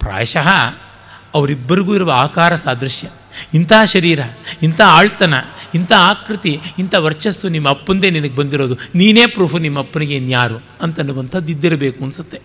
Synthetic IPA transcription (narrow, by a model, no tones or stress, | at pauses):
pɾa̰ːjʃɐɦɐː | ɐʋɐɾibːɐɾiɡuːiɾuʋɐaːkaːɾɐsaːd̪ɾɐʃjɐ | int̪ʰaːʃɐɾiːɾɐint̪ʰɐaːɭt̪ɐnɐint̪ʰaaːkɾit̪iːnt̪ɐʋɐɾt͡ʃɐsunimːɐːpːɐnd̪e̞ːninɐɡebɐnd̪iɾo̞ːd̪uniːne̞ːpɾuːpʰunimːɐpːɐniɡe̞njaːɾu | ɐnt̪ɐnːuʋɐnt̪ʰɐd̪uid̪ːiɾɐbeːkuɐnsut̪ːe̞